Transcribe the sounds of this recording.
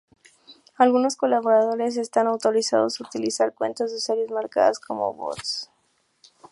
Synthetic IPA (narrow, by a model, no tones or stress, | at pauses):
alɣuno̞sko̞laβo̞ɾað̞o̞ɾe̞s̬e̞st̪anawt̪o̞ɾisa̰ðosut̪ilisaɾkwe̞̰nt̪o̞zðe̞seɾje̞zmaɾka̰ðasko̞̰mo̞̰βo̰t̪s